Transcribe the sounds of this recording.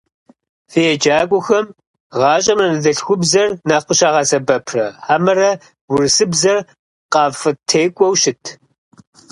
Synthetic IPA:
fejɛd͡ʒaːkʷʼʊxɐm | ʁɑːɕʼɐmrɐnɨzɐɬxʷʊbzɐrnaːχʷəɕaːʁɑsɐbɐpʰrɐħamɐrɐ | wʊrɨsɨbzɐr | qɑːfɨtʰeːkʷʼɔwʃɪtʰ

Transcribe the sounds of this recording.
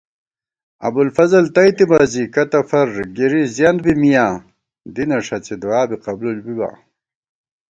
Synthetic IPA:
ɐ̰bulfɐzɐlt̪ɐjt̪ibaːzikɐt̪ɐfɐɾɡiɾizjand̪̚bimijaː | d̪inɐʂɐt͡sed̪waːbiqɐblulbiba̰ː

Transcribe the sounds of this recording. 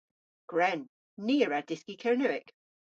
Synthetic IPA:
ɡ̥ɹɛnː | iːəɹadɪskikʰɛɹnəɪk

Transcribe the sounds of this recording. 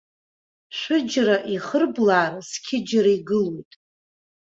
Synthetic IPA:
ʃʷɨd͡ʒraʔiχərblaːrskʲʰɪd͡ʒɾaiɡɨlojtʼ

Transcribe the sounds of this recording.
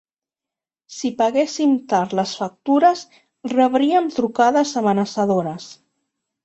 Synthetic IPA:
sipəɣesimt̪aɾləsfak̚t̪uɾəs | rəβɾiəmt̪ɾukaðəzəmənəsəðoɾəs

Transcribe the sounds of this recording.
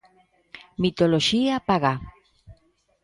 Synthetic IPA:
mit̪oloʃiapaɣa

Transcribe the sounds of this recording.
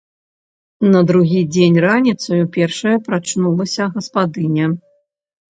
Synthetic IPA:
nɐd̪ɾuɣʲid͡zʲenʲranʲit̪sɐjupʲɛrʂɐjɐpɾat͡ʂnulˠɐsʲɐɣɐspad̪ɨnʲɛ

